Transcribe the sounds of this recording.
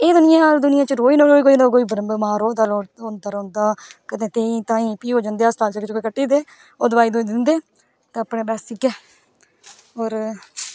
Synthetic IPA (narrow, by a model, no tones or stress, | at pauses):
eːd̪ʊnɪjãːd̪ʊnɪjãːt͡ʃəɾoːiːnːɾoːiːkoːiːnõːkoːiːbəɾəmbmaːɾoːd̪aːoːoːnd̪aːɾõːnd̪aːkət̪ẽːt̪eːĩːt̪ãːĩːpiːɦoːd͡ʒãːnd̪eːaːsʈaːlt͡ʃəkɪt͡ʃkoːikəʈːiːd̪eː | oːd̪əbaːiːd̪oːiːd̪ɪnd̪eː | t̪ẽːəpɳẽːbɛːsɪkːɛː | ɔːɾ